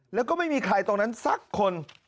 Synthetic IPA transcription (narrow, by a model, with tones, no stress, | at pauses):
lɛː˦˥wkɔː˥˩ma˥˩jmiː˧kʰaː˧˩jt̪o˧ŋna˦˥nsa˦˥˩kʰːo˧n